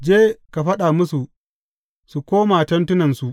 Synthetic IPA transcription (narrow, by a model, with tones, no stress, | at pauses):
d͡ʒeː˦ka˨ɸɐ˦ɗa˨mʊ˦su˨ | su˨kʷoː˦maː˨tɐ˦ntʊ˦nɐ˨nsu˨ʔ